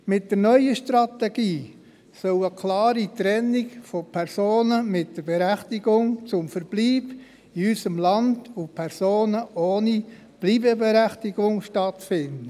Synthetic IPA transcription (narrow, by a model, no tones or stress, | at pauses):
mɪt̚dəɾnœʏəʃtɾɑt̪ɛɡiː | sœwəkʰlɑːɾit̪ɾɛnːikfopʰɛɾsoːnəmɪtd̥əɾbeɾæχtiɡʊŋt͡sʊmfəɾb̥liːb | iysəmlɑndupʰɛrsoːnəʔoːni | b̥liːbəbeɾæχtiɡ̥ʊŋʃtɑtfɪndə